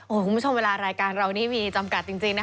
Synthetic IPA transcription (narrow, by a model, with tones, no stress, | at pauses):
ʔoː˧˩kʰu˩mu˦˥o˧mweː˧laː˧ɾaː˧jkaː˧nɾa˧wniː˥˩miː˧t͡ɕa˧mka˨˩t̪̚t͡ɕi˧ŋt͡ɕi˧ŋna˦˥